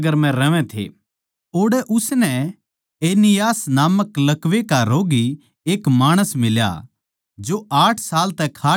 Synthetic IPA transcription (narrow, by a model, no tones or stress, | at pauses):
ɡəɾmɛ̃ɾɐʋɛ̃t̪ʰḛ | oːɽɛʔʊsnɛ | eːnɪjaːsnaːməklɐkʋekaɾoːɡi | eːkmaːɽ̃əsmɪlja̰ | d͡ʒoʔaːʈʰsaːlt̪ɛkʰaː